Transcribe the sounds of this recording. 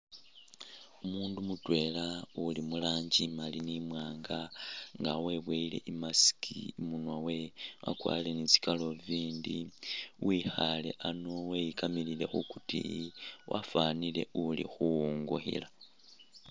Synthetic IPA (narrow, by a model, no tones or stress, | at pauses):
umuːndumutwe̞ːlaulimulaːɲɟimalinimwaːŋɡaŋɡawe̞βweile̞ʔimasi̥kʰimunwawe̞wʔa̰kwa̰ːlile̞nizi̥kalo̞viːndiwixale̞̰ʔanowejikamilile̞xukutḭwʔa̰faːnile̞̰ulḭxuuŋɡṵxḭla